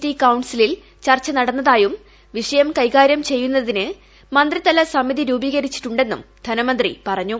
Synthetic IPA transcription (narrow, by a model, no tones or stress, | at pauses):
tːikɐwɳsilil | t͡ɕɐrt͡ɕːɐnɐɽɐnːɐðaːjum | ʋiʂɐjɐmkɐjkaːɾjɐmt͡ɕe̞jːunːɐðinɨ | mɐnd̪rit̪ɐlɐsɐmːiðiɾuːbiːɣɐɾit͡ɕːi̥ʈːuɳɖe̞nːṵmd̪̥ʱɐnɐmɐnd̪rḭpɐrɐɲːu